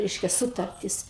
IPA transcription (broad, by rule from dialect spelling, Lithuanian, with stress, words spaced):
ˈrʲɛɪʃʲkʲɛ ˈsʊtɐrʲtʲɪs